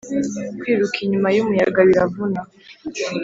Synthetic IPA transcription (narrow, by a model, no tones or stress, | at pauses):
kwiːɾukʰiɲumajumujaɡaβiɾavuna